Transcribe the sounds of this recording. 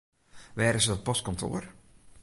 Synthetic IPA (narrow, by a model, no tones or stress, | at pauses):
ʋɛːɾəsədɔt̚pɔskɔntʰo̰ər